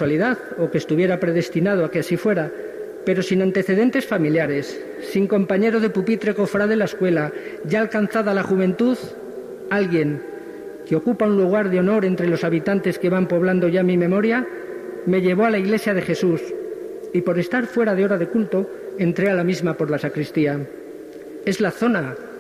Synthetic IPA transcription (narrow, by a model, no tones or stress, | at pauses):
aliðaðo̞kest̪uβje̞ɾapɾe̞ð̞e̞st̪inað̞oakeasifwe̞ɾa | pe̞ɾo̞sinãnt̪e̞θe̞ðe̞nt̪e̞sfamiljaɾe̞sː | iŋko̞mpaɲe̞ɾo̞ðe̞pupit̪ɾe̞kofɾaðelae̞skwe̞la | ʝaːlkanθaðalaχuβ̞ẽ̞nt̪uð | alɣje̞ŋ | keo̞kupaunluɣ̞aɾðeo̞no̞ɾe̞nt̪ɾe̞lo̞saβit̪ant̪e̞ske̞βampo̞β̞land̪o̞ʝamːimẽ̞mo̞ɾja | me̞ʎe̞βo̞alaiɣle̞sjað̞e̞xe̞sus | ipo̞ɾe̞st̪aɾfwe̞ɾaðeoɾaðe̞kult̪o̞ | e̞nt̪ɾe̞alamizmapo̞ɾlasakɾist̪ia | e̞zlaθo̞na